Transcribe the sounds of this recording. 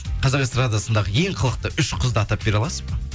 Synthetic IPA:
qʰɑzɑqst̪ɾad̪jasənd̪ɑʁəje̞ŋqʰəlˠəq̚t̪əʔʏʃqʰəzd̪əɑt̪ɑp̚be̞ɾɑlˠɑsə̥zpə

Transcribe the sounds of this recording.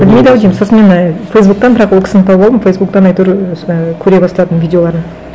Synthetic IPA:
bɪlmʲejd̪æwd̪ijmsosəme̞nfejsbuk̚t̪ɑnbɪɾɑqwolˠkʲɪ̥sɪnɪt̪ʰɑwbɑlˠd̪əmfejsbuk̚t̪ɑnɑjt̪uɾkʲʰɵɾe̞bɑst̪ɑt̪ənvʲijdʲeo̞lˠɑɾən

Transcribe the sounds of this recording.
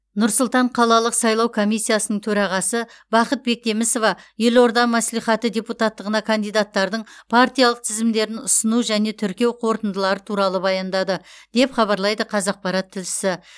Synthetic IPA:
nʊɾsʊlˠt̪ɑɴqʰɑlˠɑlˠəqsɑjlˠɑwkʰo̞mijsːijasənəɴt̪ʰɵɾɑʁɑsə | bɑqət̪̚be̞k̚t̪ʰe̞mɪso̞vɑje̞lo̞ɾd̪ɑmæslijχɑt̪əd̪ʲe̞put̪ɑt̪ːəʁənɑkʰand̪ijd̪at̪ːɑɾd̪əɴpʰaɾt̪ijalˠəq̚t̪ʰɪzɪmd̪e̞ɾɪnʊsənuʒæne̞t̪ʰʏɾkʲe̞wqʰo̞ɾt̪ənd̪əlˠɑɾət̪ʰuɾɑlˠəbɑjɑnd̪ɑd̪əd̪̥e̞pχɑβɑɾlˠɑjd̪əqʰɑzɑq̚pɑɾɑt̪ʰːɪlʃɪ̥sɪ

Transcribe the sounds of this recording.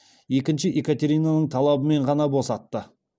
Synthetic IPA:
je̞kʲɪnʃɪʔekat̪ʲe̞ɾʲijnanəɴt̪ʰɑlˠɑbəme̞ɴʁɑnɑbo̞sɑt̪ːə

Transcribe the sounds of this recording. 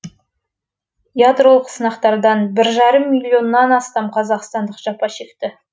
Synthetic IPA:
jad̪ɾo̞lˠəqsənɑqt̪ɑɾd̪ɑnbɪɾʒɑɾəmːilʲːio̞nːɑnɑst̪ɑmqʰɑzɑqst̪ɑnd̪əqʒ̥ɑpɑʃe̞kt̪ɪ

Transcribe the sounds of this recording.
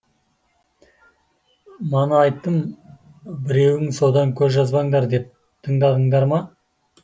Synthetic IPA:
mɑnəɑjt̪ːəm | bɪɾe̞wɪŋso̞d̪ɑŋkʲʰɵzʒɑzbɑŋd̪ɑɾd̪e̞p̚ | t̪ʰəɴd̪ɑd̪əɴd̪ɑɾmɑ

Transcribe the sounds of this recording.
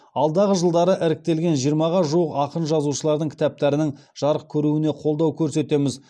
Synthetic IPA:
ɑlˠd̪ɑʁəʒəlˠd̪ɑɾəʔɪɾɪk̚t̪e̞lɡʲe̞nʒijəɾmɑʁɑʒuəqɑqənʒɑzuʃəlˠɑɾd̪əŋkʲʰɪ̥t̪æp̚t̪æɾɪnɪŋʒ̥ɑɾəq̚kʲʰɵɾuɪne̞qʰo̞lˠd̪ɑwkʲʰɵɾse̞t̪e̞mɪz

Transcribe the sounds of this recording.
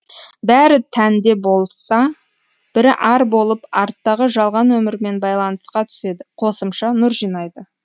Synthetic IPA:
bæɾɪt̪ʰænd̪e̞bo̞lˠsɑ | b̥ɪɾɪʔɑɾbo̞lˠəpɑɾt̪ːɑʁəʒɑlˠʁɑnwɵmɪɾme̞nbɑjlˠɑnəsqɑt̪ʰʏ̥se̞d̪ɪqʰo̞səmʃɑnʊɾʒijnɑjd̪ə

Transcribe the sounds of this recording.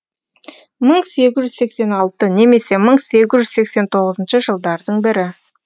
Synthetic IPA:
məɴse̞ɡʲɪzʒʏzse̞kse̞nɑlˠt̪əne̞me̞se̞məɴse̞ɡʲɪzʒʏzse̞kse̞nt̪ʰo̞ʁəzənʃəʒəlˠd̪ɑɾd̪əɴbɪɾɪ

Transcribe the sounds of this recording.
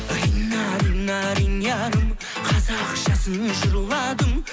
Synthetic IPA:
ɑjnɑd̪əmnɑɾinjɑd̪əm | qʰɑzɑqʃɑsənəʒʊɾlˠɑd̪əm

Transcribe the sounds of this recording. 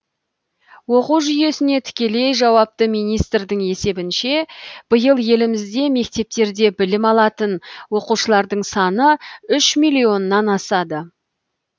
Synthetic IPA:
wo̞quwʒʏje̞sɪne̞t̪ʰʏ̥kʲe̞le̞jʒɑwɑp̚t̪əmijnijst̪rd̪əɴe̞se̞bɪnʃe̞b̥əjəlˠje̞lɪmɪzd̪e̞me̞k̚t̪e̞p̚t̪e̞ɾd̪e̞bɪlɪmɑlˠɑt̪ənwo̞quʃəlˠɑɾd̪əɴsɑnəʏʃmijlʲio̞nːɑnɑsɑd̪ə

